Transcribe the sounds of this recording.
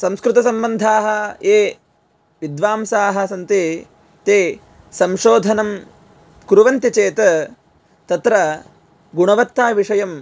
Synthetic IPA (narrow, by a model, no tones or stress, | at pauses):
sɐ̃mskɾɪt̪ɐsɐmbɐnd̪ʱaːɦɐ̆eː | ʋid̪ʋaːmsaːɦɐ̆sɐnt̪eː | t̪eː | sɐmʃoːd̪ʱɐnɐm | kɾuʋɐnt̪it͡ʃeːt̪ɐ | t̪ɐt̪ɾɐ | ɡuɳɐʋɐt̪ːaːʋiʂɐjɐm